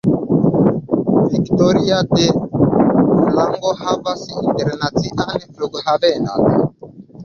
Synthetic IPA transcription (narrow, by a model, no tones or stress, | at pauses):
viktɔɾiatɛ | mulaŋɡɔhavasitɛɾɛnatiʔahɛflɔɡhaβɛna̰